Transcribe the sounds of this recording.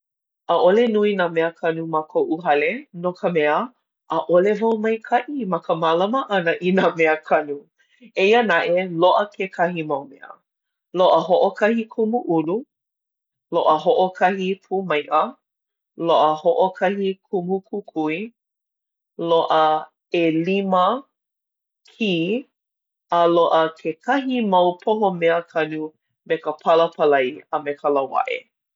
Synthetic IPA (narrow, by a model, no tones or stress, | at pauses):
ʔəʔolenuinaːmɛəkʰɐnumakʰoʔuɦɐlenokəmɛə | ʔəʔolevawmɐjkʰɐʔimɐkəmalɐməʔɐnəʔinaːmɛəkʰɐnu | eiənɐʔeloʔəkʰekʰɐɦimɐwmɛ̰ə̰ | loʔəɦoʔokʰɐhikʰumuʔulu | loʔəɦoʔokʰɐhipʰumɐjʔə | loʔəhoʔokʰɐhikʰumukʰukʰui | loʔə | elimə | kʰiː | əloʔəkʰekʰɐɦimɐwpʰoɦomɛəkʰɐnu | mekəpʰɐləpʰəlɐjəmekʰɐlɐwa̰ʔḛ